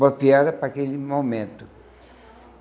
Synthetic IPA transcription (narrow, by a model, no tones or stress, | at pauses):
bɐpiaɾɐpɾakelɪmomẽnt̪ʊ